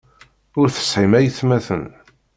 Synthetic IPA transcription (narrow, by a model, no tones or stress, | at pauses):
ʊɾθə̥sħimæjəθmæθən